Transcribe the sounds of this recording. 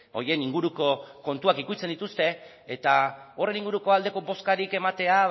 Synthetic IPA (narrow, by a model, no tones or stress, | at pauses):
o̞̰ɾje̞niŋɡuɾuko̞ko̞nt̪uakikut͡se̞nd̪it̪ust̪e̞ː | t̪ao̞re̞niŋɡuɾuko̞ald̪e̞ko̞bo̞skaɾike̞mat̪e̞a